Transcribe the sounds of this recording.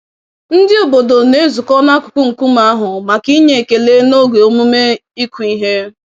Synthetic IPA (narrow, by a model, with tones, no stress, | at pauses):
n̩˦dɪ˦o˨bo˨do˨ne˦zu˨kɔ˦na˦kʊ̥˨kʷu˦ŋ̩˨ku˦ma˦a˦ɦʊ˨ma˨ki˦ɲe˨ke˨le˦no˦ɡe˨o˨mu˦me˦i˦kʷu˨i˦ɦe˦